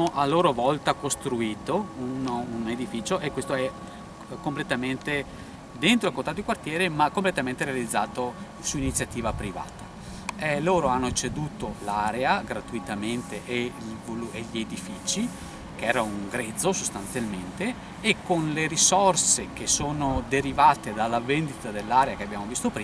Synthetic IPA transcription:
oʔaloːɾovɔlt̪akost̪ɾuiːt̪oununed̪ifiːt͡ʃoʔekːwest̪oɛ | komplet̪ament̪e | d̪ent̪ɾoilkont̪at̪d̪ikwart̪jɛːɾemakːomplet̪ament̪eɾealid̪zːaːt̪o | suinit̪sːjat̪iːvapɾiva̰ːt̪a | ɛloːɾoanːot͡ʃed̪uːt̪olaɾeaɡɾat̪uit̪ament̪eʔeilvolueʎied̪ifiːt͡ʃi | keɛːɾauŋɡɾɛd̪zːosost̪ansjalment̪eː | kːonleɾisorsek̟esoːnod̪eɾivaːt̪ed̪alːavend̪it̪ad̪elːaːɾeakeabjaːmovist̪opɾiː

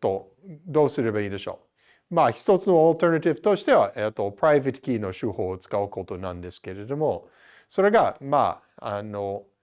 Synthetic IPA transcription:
t̪o̞ | d̪o̞ːsɨɾebaiːd̪e̞ɕo̰ | maçi̥t̪o̞t͡sɨno̞olt̪eɾnat̪ibɯ̥t̪oɕi̥t̪e̞βaʔet̪ːo̞pɾajvet̪kʲiːno̞ɕuːho̞ːot͡sɨ̥kaɯko̞t̪o̞nãnd̪e̞sɨ̥ke̞ɾe̞d̪o̞mo̞ | so̞ɾe̞ɡama̰ | ano

